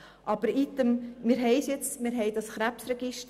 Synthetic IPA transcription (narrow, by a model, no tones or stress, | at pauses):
ʔɑb̥əɾit̪ːəmmɪːɾɦɛɪsjɛt͡smɪːɾɦɛɪd̥̪ɑsχɾæpsɾɛɡ̥ɪʃt